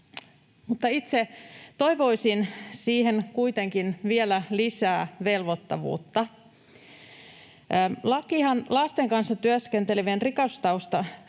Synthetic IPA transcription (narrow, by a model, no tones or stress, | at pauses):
mut̪ːɑit̪set̪o̞jʋo̞isinsiːhenkuit̪e̞ŋkinʋielælisæːʋelʋot̪ːɑ̰ʋṵːt̪ːɑ | lɑkihɑnlɑst̪eŋkɑnsːɑt̪yæskent̪eliʋenrikɑst̪ɑust̪ɑ